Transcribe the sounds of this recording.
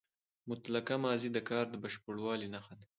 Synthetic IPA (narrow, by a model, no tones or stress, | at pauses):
mʊt̪lakamɑːzid̪əkɑːɾd̪əbaʃpəɽwɑːlinaxan